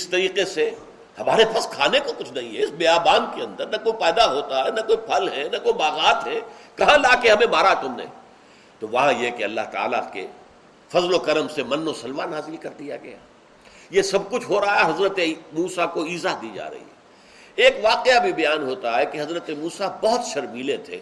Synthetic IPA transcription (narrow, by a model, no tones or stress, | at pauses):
ɪst̪ɐɾiːqese | hɐmaːɾepʰɐskʰaːnekokʊt͡ʃʰnɐɦĩɦɛɪsbeːaːbaːnkeɐ̃nd̪əɾnɐkoːipɛːd̪aɦoːt̪aɦɛnɐkoːipʰɐlɦɛnɐkoːibaːɣaːt̪ɦɛkɐɦãlaːkeɦɐmẽbaːɾat̪ʊmnḛ̃ | t̪oʋɐɦãjekeɐlːa̰ɦt̪a̰ːla̰kḛ | fɐzlokɐɾəmsemɐnːosɐlʋaːnaːzɪlikɐɾd̪ija̰ɡɐja̰ː | jesɐb̚kʊt͡ʃʰɦoːɾaɦaaɦɐzɾət̪emuːsakoiːzaɦd̪iːd͡ʒa̰ːɾɐ̰ɦḭɦɛ̰ː | eːkʋaːqeabʱibɐjaːnɦoːt̪aɦɛkeɦɐzɾət̪emuːsabɐɦʊt̪ʃɐɾmiːlẽt̪ʰḛː